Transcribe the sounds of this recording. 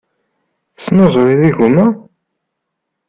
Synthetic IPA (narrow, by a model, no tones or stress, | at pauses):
θəsːnozˤɾiðiʝumæ